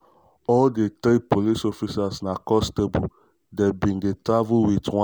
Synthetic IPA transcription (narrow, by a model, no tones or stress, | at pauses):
ɔldetɾipolisɔfisasnakɔstebu | dɛbĩndetɹavulwitwã